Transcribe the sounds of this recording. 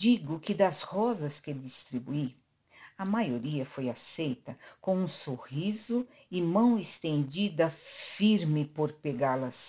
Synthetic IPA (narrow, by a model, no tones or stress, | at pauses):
d͡ʒiɡʊkɪd̪ɐshɔzɐskɪd͡ʒ̪ist̪ɾibui | ɐmajoɾiɐfojasejt̪ɐkõw̃ũsohizʊ | ɪmɐ̃w̃est̪ẽnd͡ʒid̪ɐfiɾmɪpoɾpeɡalɐs